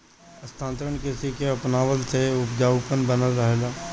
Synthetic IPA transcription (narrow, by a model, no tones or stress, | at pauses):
ɐst̪ʰãːnt̪ɾəɳkɪsikeɐpnaːʋəlseʊpd͡ʒaːʊpənbənəlɾəɦeːlaː